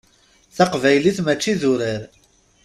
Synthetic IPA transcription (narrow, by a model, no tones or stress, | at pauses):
θaqvæjliθmæt͡ʃːiðʊɾəɾ